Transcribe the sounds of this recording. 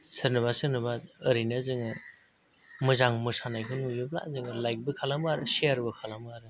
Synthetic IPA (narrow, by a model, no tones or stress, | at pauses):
sɯɾnɯβasɯnɯbaəɾinazɯŋɯ | mɯzaŋmɯsanajkʰɯnmubɯbla̰zɯŋɯlajk̚bɯkʰalamaɾɯsiaɾbɯkʰalamaɾɯ